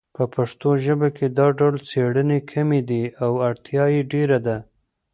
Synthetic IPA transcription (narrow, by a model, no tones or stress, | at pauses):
pəpʰaʂt̪oʒəbaked̪ɑɖawlt͡seɽənekʰamed̪iawaɽt̪ʰjɑjeɖeɾad̪a